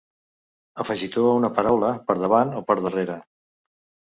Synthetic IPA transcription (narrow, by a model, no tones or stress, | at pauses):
əfəʒit̪ounəpəɾawləpəɾðəβ̞anopəɾðəreɾə